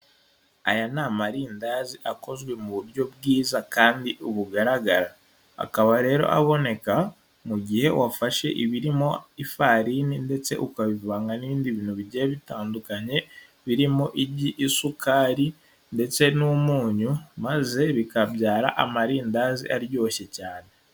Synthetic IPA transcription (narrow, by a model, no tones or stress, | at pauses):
a̰janamaɾiːndaːziʔako̞zɡwe̞muβuɾjo̞b̚ɡiːzakaːndiʔuβuɡaɾaɡaɾa | a̰kaβaɾe̞ːɾo̞̰ʔa̰βo̞ne̞ka | muɟihe̞wafaʃe̞̰ʔiβiɾimo̞ifaɾininde̞t͡se̞̰ʔukaβivβaːŋɡaniβiːndiβiːnhuβiɟeeβitaːndukaɲe̞ | βiɾimo̞ʔiɟiʔːsukʰaːɾi | nde̞t͡se̞numuːɲumaze̞βikabjaːɾaʔamaɾiːndaːzḭʔaɾjo̞ːçe̞caːne